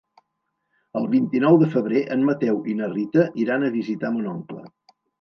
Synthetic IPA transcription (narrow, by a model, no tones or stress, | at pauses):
əlˠβint̪inɔwðəfəβ̞ɾeʔənmət̪ɛwʔinərit̪əʔiɾanəβizit̪amənɔŋklə̰